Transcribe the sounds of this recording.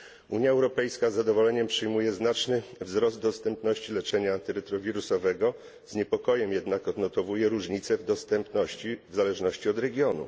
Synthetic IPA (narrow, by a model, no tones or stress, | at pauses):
uɲjaɛwɾɔpɛjskazːad̪ɔvɔlɛɲɛmpʂɘjmujɛznat͡ʂnɘvzɾɔzd̪d̪ɔst̪ɛmpnɔɕt͡ɕilɛt͡ʂɛɲant̪ɘɾɛt̪ɾɔvʲiɾusɔvɛɡɔ | z̥ɲɛpɔkɔjɛmjɛd̪nakɔd̪nɔt̪ɔvujɛɾuʐɲit̪sɛvd̪ɔst̪ɛmpnɔɕivzalɛʐnɔɕt͡ɕiɔd̪ɾɛɡʲjɔnṵ